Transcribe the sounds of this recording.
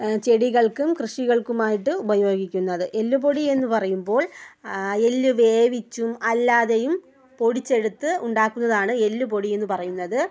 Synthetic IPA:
t͡ɕe̞ɽiɣɐɭkumkrɨʂiɣɐɭkumaːjiʈːɨubɐjo̞ːɡikʲːunːɐðɨʔe̞lːup̬o̞ɽie̞nːɨpɐrɐjumbo̞ːɭ | e̞lːuʋe̞ːʋit͡ɕːumɐlːaːðejum | po̞ɽit͡ɕːe̞ɽut̪ːɨuɳɖaːkːunːɐðaːɳɨe̞lːup̬o̞ɽie̞nːɨpɐrɐjunːɐðɨ

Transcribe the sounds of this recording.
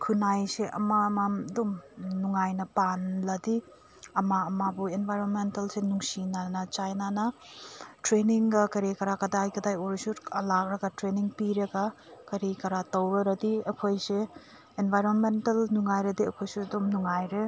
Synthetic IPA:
kʰunajseʔɐ̰mamaɐdumnuŋajnɐpanlɐdi | ɐmamabuenbʱajɾonmentɐlsenuŋsinanɐt͡ʃajnanɐ | tɾeniŋɡɐkɐɾikɐɾakɐdajkɐdajoɾisulak̚ɾɐɡatɾeniŋpiɾɐɡa | kɐɾikɐɾatɐwɾɐɾɐdiɐkʰojse | enbʱajɾonmentɐlnuŋajɾɐdiɐkʰojsuɐdumnuŋajɾe

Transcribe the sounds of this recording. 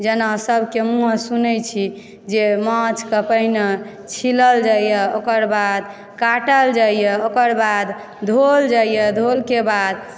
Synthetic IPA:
d͡ʒenasəbʱkemũɦsunəjt͡ʃʰi | d͡ʒemãt͡ʃkəpəɦne | t͡ʃʰiləld͡ʒaijɛokəɾbad̪ | kaʈəld͡ʒaijɛokəɾbad̪ | d̪ʱold͡ʒaijəd̪ʱolkebad̪

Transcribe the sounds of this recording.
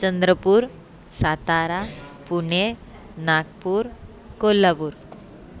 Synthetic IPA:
t͡ɕənd̪ɾəpuːɾ | sat̪aɾapuɳe | nak̚puːɾ | kolːapuːɾ

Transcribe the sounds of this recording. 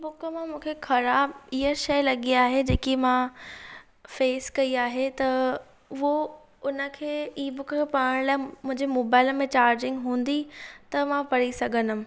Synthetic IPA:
ibʊkəmãmũːkʰexɐɾaːbɪɦəʃɐjlɐɠiaːɦed͡ʑeːkimã | feːskɐiaːɦet̪ɐ | ɦo | ʊnə̆kʰeːiːbʊkəkʰepaːəɽ̃laːɪmʊ̃ɦɪ̃ɲd͡ʑemoːbaːɪləmẽt͡ɕaːɾd͡ʑɪ̃ŋɡɦũːn̆d̪it̪ɐmãpɐɽisɐɡʱə̃nʊm̃̆

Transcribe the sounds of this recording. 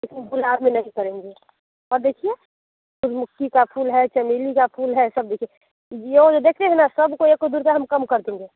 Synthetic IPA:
lekinbulabmẽnɐɦĩkəɾẽːŋɡe | ɔːɾd̪eːkʰie | kʊt͡ʃʰmʊkːikapʰulɦɛt͡ʃəmilikapʰuːlɦɛsəb̚d̪eːkʰie | jeod͡ʒod̪eːkʰt̪eɦɛnasəbkoeːkːod̪uɾt̪aɦəmkəmkəɾd̪ẽːŋɡe

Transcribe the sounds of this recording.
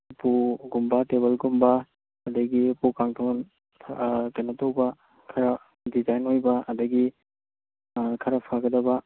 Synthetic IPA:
puɡumbɐteβɐlɡumbɐː | dɐɡipukaŋtʰown | pʰtenɐtowbɐ | kʰɐɾɐ | dizajnojbɐɐdɐɡi | kʰɐɾɐpʰaɡɐdɐbɐ

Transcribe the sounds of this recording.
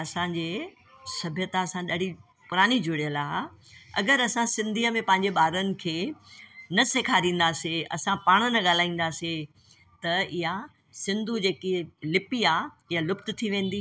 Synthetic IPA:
ɐsãːɲd͡ʑeː | sɐbʱjət̪aɐsãɗaːɽi | pʊɾaːnid͡ʑʱʊɽijəlaːɦɐ̰ɡəɾɐsãsɪ̃nd̪ʱiːəmẽpɐ̃ɦɪɲd͡ʑeɓaːɾənɪ̆kʰeː | nɐseːkʰaːɾĩːn̆d̪aːseɐ̰sãpaːɽ̃nɐɠaːl̤aːĩːn̆d̪aːse | t̪ɐɪɦa | sɪ̃nd̪ʱud͡ʑeːkilɪpiaː | ɪjalʊpt̪̆t̪ʰiʋẽːn̆d̪iː

